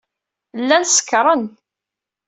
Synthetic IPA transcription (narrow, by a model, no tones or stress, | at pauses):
lːænsə̥kːɾˤən